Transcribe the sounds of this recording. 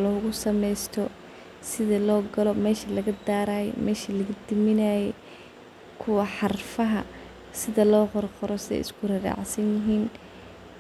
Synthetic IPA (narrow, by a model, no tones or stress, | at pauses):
lɔːɣʊsɐmɛjst̪ʰɔ | sɪðɐlɔːɡɐlɔmɛːʃɐlɐɣɐd̪aːɾaːjɛ̰mʔɛːʃɐlɐɣɐd̪ɪmɪnaːjɛ | kʰʊwɑħɑrfɐɦɐ | sɪðɐlɔːqɔrqɔɾɔsɪɛ̰ɪ̰skʰʊrɐra̰ːʕsɐnjɪɦiːn